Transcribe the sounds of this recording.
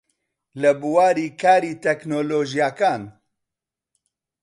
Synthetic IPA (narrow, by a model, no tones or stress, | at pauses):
ləbuwaːɾiːkʰaːɾiːt̪ʰɛknoːloːʒijakaːn